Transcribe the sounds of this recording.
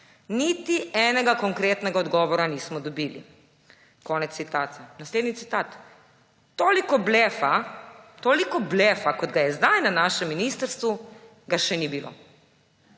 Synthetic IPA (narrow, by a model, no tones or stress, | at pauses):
nit̪iɛːnɛɡakɔŋkɾeːt̪nɛɡaɔd̪ɡɔːʋɔɾaniːsmɔd̪ɔbiːlḭ | kɔːnɛt̪sːit̪aːt̪ɛnasleːd̪nit̪it̪aːt̪ː | oːlikɔblɛːfat̪oːlikɔbleːfakɔd̪ɡajɛzd̪ajnanaːʃɛmːiniːst̪əɾst̪ʋu | ɡaʃɛnibilo̰